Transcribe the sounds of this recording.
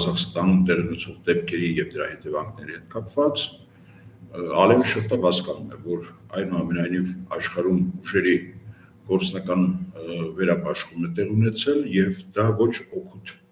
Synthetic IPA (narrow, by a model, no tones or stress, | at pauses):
zɑχst̪ɑnt̪ɛʁiunɛt͡sʰɔʁd̪ɛpkʰɛɾijɛvd̪əɾɑhɛt̪ɛvɑŋkʰnɛɾihɛt̪̚kɑpvɑt͡s | ɑ̰lɛməʃəɾt̪ːɑvhɑskɑnumɛ̰vɔɾ | ɑjnuɑmɛnɑjnivɑ̰ʃχɑɾumuʒɛɾi | ɡ̥ɔɾt͡sʰnɑkɑnvɛɾɑpɑʃχumɛt̪ɛʁunɛt͡sʰɛljɛvd̪ɑvɔt͡ʃʰɔkʰut̪ʰ